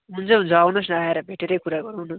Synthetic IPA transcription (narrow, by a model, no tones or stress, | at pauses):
ɦunt͡sʰʌd͡zawnʌsnaeɾʌbʱeʈeɾʌjkuɾaɡʌɾuwnʌ